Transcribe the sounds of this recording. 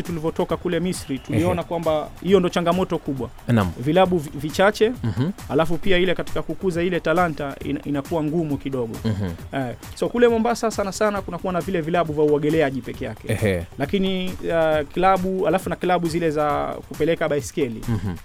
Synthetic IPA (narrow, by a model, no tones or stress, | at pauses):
itulivɔtɔkakulɛmisɾituliɔnakwambahijɔndɔt͡ʃaŋɡamɔtɔkuɓwa | nvilaɓuvvit͡ʃat͡ʃɛalafupiailɛkati̥kakukuzailɛtalantaḭnainakuwaŋɡumukiɗɔɠɔ̰ɛsɔkulɛmambasasanasanakunakuwanavilɛvilaɓuvjauɔɠɛlɛaʄipɛkɛjakɛlakini | kilaɓualafunakilaɓuzilɛzakupɛlɛkaɓaiskɛlḭ